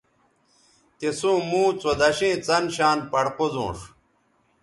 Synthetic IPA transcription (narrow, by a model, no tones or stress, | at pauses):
t̪esũːmũːt͡sod̪ɐɕẽːt͡sɐnɕaːnpɐɽqozõ̰ːʂ